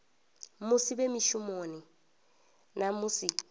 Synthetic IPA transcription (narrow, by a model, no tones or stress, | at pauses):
mʊsibemiʃʊmoːnɪ | namʊsi